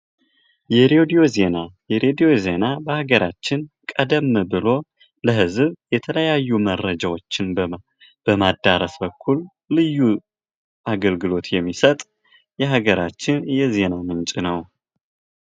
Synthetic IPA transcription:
jɛɾeed̪io̞ze̞najɛɾed̪ijo̞ze̞nabəhaɡəɾat͡ʃːɪnkʼəd̪əmːɨbɨlo̞ | ləɦɨzβjɛt̪ʰələjajːumərəd͡ʒawo̞t͡ʃːɪn | b̥əmad̪ːaɾəsbəkʰːulː | ɨjːu | ʔaɡəlɡɨlo̞t̪jɛmːisət̪ʼ | jɛɦaɡəɾat͡ʃːɪnjɛze̞namɨnt͡ʃʼinəw

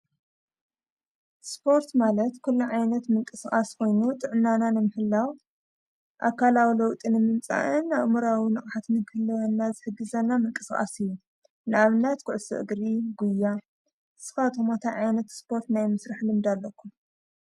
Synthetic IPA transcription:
spʰo̞ɾt̪malɐt̪kʰulːuʕajnɐt̪mɨŋkʼɨsχʼaskʰo̞jnut̪ʼɨʕɨnːananɨmɨħɨlːaw | ʔakʰalawilɐwt̪ʼinɨmɨmt͡sʼa̰ʔɨnaβmuɾawinɨχʼħat̪nɨɡhɨlːɐwɐnːazɨħɨɡːɨzɐnːamɨŋkʼɨskʼa̰sɨjːu | nɨʔaβnat̪kʰʊʕsɨ̰ʔɨ̰ɡɾiɡujːa | sɨ̥kat̪ʼʰomot̪ʰaʕajnɐt̪spʰo̞ɾt̪najmɨsɾaħlɨmd̪alːɐkʰːum

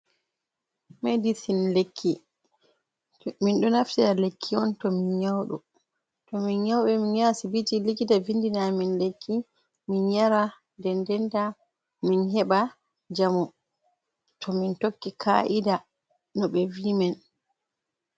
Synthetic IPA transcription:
mɛdisinlekʰːi | minɗɔnaftialekʰːiɔntɔminɲawɗɔ̰ | tɔminɲawɓɛminjasibid͡ʒilikitavindinaminlekʰːi | minjaɾa | dɛndɛnda | minhɛɓa | d͡ʒamu | tʰɔmintokːikʰa̰ʔida | nɔɓɛvimɛn

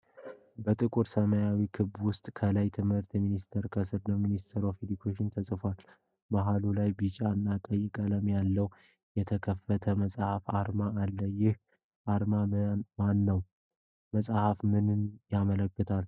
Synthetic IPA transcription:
bət̪ʼɨkʼuɾsəməjawikʰɨbwʊst̪ʼkʰəlajt̪ʰɨmhɨɾt̪minist̪ʰəɾkʰəsɨɾnəminist̪ʰəɾofed̪ikʰeʃɪnt̪ʰəsʼɨfal | baɦalulajbɨt͡ʃʼaɨnːakʼəjːɪkʼələmjalːəw | jɛt̪ʰəkʰəfːət̪ʰəməsʼahafaɾmaːlːəjɪh | ʔaɾmamanːəw | məsʼahafmɨnɨnjamələkːət̪ʰal

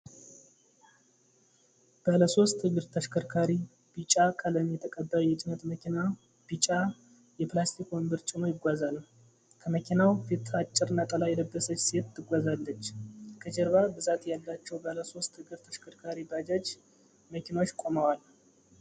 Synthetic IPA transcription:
b̥ələso̞st̪hɨɡɨɾt̪ʰəʃkʰəɾkʰaɾi | b̥it͡ʃʼakʼələmjɛt̪ʰəkʼəbːəjɛt͡ʃʼɪnət̪məkʰina | b̥it͡ʃʼa | jɛplast̪ʰikombɨɾt͡ʃʼɪnojɪɡʷazalə | kʰəməkʰinawfit̪at͡ʃʼːɪɾɨnat̪ʼəlajɛləbːəsət͡ʃːse̞t̪ːɨɡʷazalːət͡ʃːkʰəd͡ʒɛɾβabɨzat̪jalːat͡ʃːɛwbələso̞st̪hɨɡɨɾt̪ʰəʃkʰəɾkʰaɾibad͡ʒad͡ʒ | məkʰinawot͡ʃːkʼo̞məwal

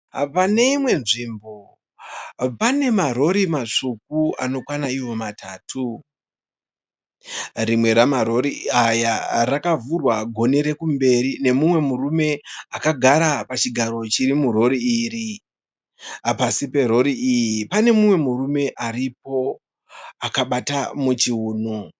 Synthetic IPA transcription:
pane̞imwe̞nʐimbo̞ | pane̞maɾo̞ɾimaʂuk̚ua̰no̞kwanaiwo̞matʰaːtʰu | rimwe̞ɾamaɾo̞ɾiajarakavurwaɡʱo̞neɾe̞kumbe̞ɾine̞mumwe̞murume̞akaɡʱaɾapat͡ʃiɡʱaɾo̞t͡ʃiɾimuro̞ɾiiːri | apasipe̞ɾo̞ɾiijipane̞mumwe̞murume̞ʔarip̚o̞ | akaɓatamut͡ʃiuːnu

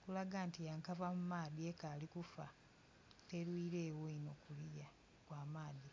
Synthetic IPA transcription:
kulaɡantijaŋkavamumaːðiekalikufa | telwiːɾeːwoino̞kulija | kwaːmaːði

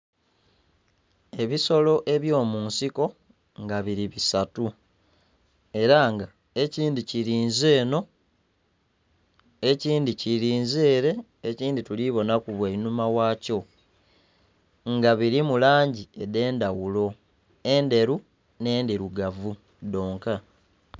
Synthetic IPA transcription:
e̞βiso̞lo̞ʔe̞βjo̞ːmuːnsiko̞ | ŋɡaβiɾiβisatu | e̞ɾaŋɡa | e̞ciːndiciɾiːnze̞ːno̞ | eciːndiciɾiːnze̞ːɾe̞ː | ciːndituliβo̞nakuβweinumawaːco̞ | ŋɡaβiɾimulaːɲɟiede̞ːndawulo̞ | e̞nde̞ɾu | ne̞ːndeɾuɡavu | do̞ːŋka

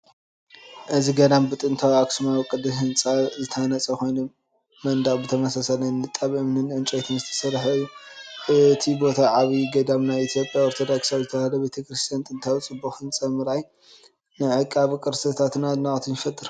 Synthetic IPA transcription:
ʔɨziɡɐd̪ambɨt̪ʼɨnt̪ʰawaksɨmawkʼɨd̪ɨɦɨnt͡sʼazɨt̪ʰɐanɐt͡sʼɐkʰo̞jnomː | ɐnd̪abɨt̪ʰɐmɐsasalɐnːɨt̪ʼːaβʔɨmnɨnʕɨnt͡ʃʼojt̪ʰɨnzɨt̪ʰɐ̥sɐɾħɐjːuɨt̪ʰibo̞t̪ʰaʕaβiɡɐd̪amnajit̪ʰjo̞pʼjaoɾt̪ʰod̪aksawzɨt̪ʰɐalɐbet̪ʰɐkɾist̪ʰjant̪ʼɨnt̪ʰawt͡sʼɨbːuxhɨnt͡sʼɐmɨɾaj | nɨʕɨkʼːaβkʼɨɾsʰɐt̪ʰat̪nanaχʼt̪ʰinfɐt̪ʼːɨɾ

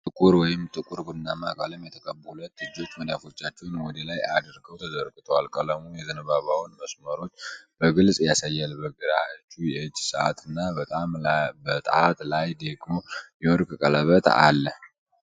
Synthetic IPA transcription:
t̪ʼɨkʼuɾwɔjɪmt̪ʼɨkʼuɾbɨnːama̰kʼa̰ləmjɛt̪ʰəkʼəbulət̪ːɨd͡ʒːo̞t͡ʃːməljafo̞t͡ʃːat͡ʃːɛwnwɔd̪əlajad̪ɾɡəwt̪ʰəzəɾɡɨt̪ʰəwalkʼələmojɛzənəβaβawnməsməɾo̞t͡ʃːb̥əɡɨlsʼjasajːalbəɡɨɾaɨt͡ʃːujɛɨd͡ʒːsəʔa̰t̪ʰɨnːabət̪ʼambət̪ʼat̪lajd̪eɡmojɛwɔɾkʼɨkʼələβət̪a̰lːəh

